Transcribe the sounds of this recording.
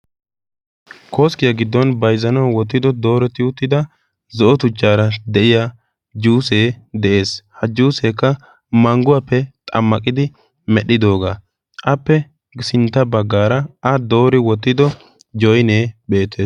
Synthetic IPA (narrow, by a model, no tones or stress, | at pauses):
kʰo̞ːskɪjɐɡɪd̪ːɔnbɐjzɐnɐwwɔt̪ːɪd̪ɔd̪o̞ːɾɛt̪ɪʊt̪ːɪd̪ɐ | zɔʔɔt̪ʊt͡ʃːaːɾɐd̪ɛʔɪja | d͡ʒuːs̬eːd̪ɛʔe̞ːshɐd͡ʒuːseːkːɐ | mɐŋɡʊwapːɛt̪ʼɐ̰mːɐkʼɪd̪ɪ | mɛɗːɪd̪o̞ːɡaː | ʔɐpːɛ | ɡsɪnt̪ːɐbɐɡːaːɾɐɐd̪o̞ːɾɪwɔt̪ːɪd̪ɔ | d͡ʒɔjneːbe̞ːt̪ːe̞ːs